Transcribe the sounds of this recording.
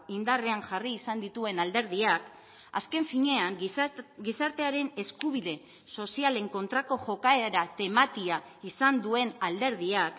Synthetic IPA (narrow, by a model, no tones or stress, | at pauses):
ind̪are̞aŋʝariːsand̪it̪ue̞nald̪e̞ɾð̞iak | a̰ske̞ɱfiɲe̞aŋɡisaɾt̪e̞aɾe̞ne̞skuβ̞iðe̞ | so̞siale̞ŋko̞nt̪ɾako̞ʝo̞kae̞ɾat̪e̞mat̪ia | isand̪ue̞nald̪e̞ɾðiak